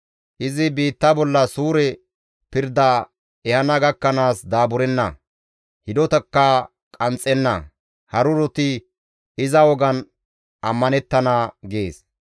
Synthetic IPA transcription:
ʔɪzɪbiːt̪ːɐbɔlːɐsuːɾɛ | pɪɾd̪ɐ | ɛhɐnɐɡɐkːɐnaːsd̪aːbʊɾɛnːɐ̰ | hɪd̪ɔt̪ɐkːɐ | kʼɐnt͡sʼːɛnːɐ | hɐɾʊɾɔt̪ɪ | ɪzɐwɔɡɐn | ʔɐmːɐnɛt̪ːɐnaɡeːs

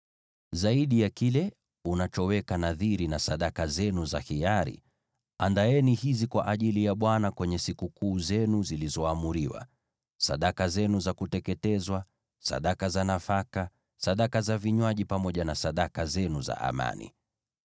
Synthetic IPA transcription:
zaiɗijakilɛ | unat͡ʃɔwɛkanaðiɾinasaɗakazɛnuzahijaɾḭ | andaɛnihizikwaʔaʄilijaɓwanakwɛɲɛsikukuːzɛnuzilizɔamuɾiwa̰ | sa̰ɗakazɛnuzakutɛkɛtɛzwa | sa̰ɗakazanafaka | saɗakazaviɲwaʄipamɔʄanasaɗakazɛnuza̰ʔa̰ma̰nḭ

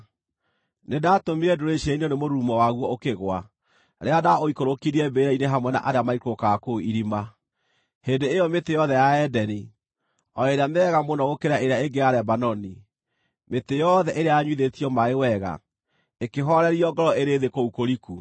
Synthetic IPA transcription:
nedatomiɾɛdoɾeʃiainonemoɾuːmɔwaɣwɔokeɣwa̰ | ɾeadaoikoɾokiɾiɛbeɾɛineɦamwɛna̰ʔaɾeamaikokakoiɾima | hendeːjɔmetejɔðɛjaɛdɛni | ɔɾeɾeamɛɣamonɔɣokeɾaʔeɾeaeɡeaɾɛbanɔni | metejɔðɛʔeɾeaːɲwiðetiɔmaewɛɣa̰ | ekeɦɔɾɛɾiɔɡɔɾɔeɾeðekoukoɾiku

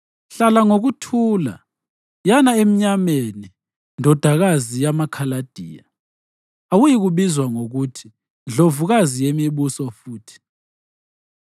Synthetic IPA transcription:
ɬalaŋoɣutʰuːla̰ | janaem̩ɲameni | ndʱɔd̥ʱaɣazijamakʰalad̥ʱḭːja | awujiɣuβizwaŋoɣutʰi̥ | nd͡ɮʱovuɣazijemiɓusɔfuːtʰi̥

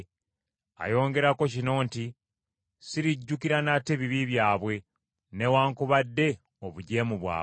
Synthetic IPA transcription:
a̰jo̞ːŋɡe̞ɾako̞cino̞ːnti | siɾiɟːukiɾanateβiβiβjaːβwe̞ | ne̞waːŋkuβadːe̞ | oβuɟe̞ːmuβwa̰ː

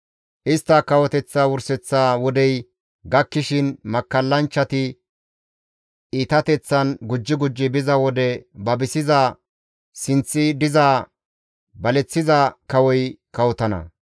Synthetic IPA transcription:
ʔɪst̪ːɐkɐwɔt̪ɛt͡sːawʊɾsɛt͡sːaːwɔd̪ɛj | ɡɐkːɪʃɪnmɐkːɐlːɐnt͡ʃːɐt̪ɪ | iːt̪ɐt̪ɛt͡sːɐnɡʊd͡ʒːɪɡʊd͡ʒːɪbɪzɐwɔd̪ɛbɐbɪsɪzaː | sɪnt͡sːɪd̪ɪzaː | bɐlɛt͡sːɪzɐkɐwɔjkɐwɔt̪ɐnɐ̰

